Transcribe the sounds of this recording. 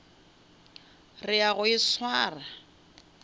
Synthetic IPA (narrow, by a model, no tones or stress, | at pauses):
rɪaɣʊɪswaːra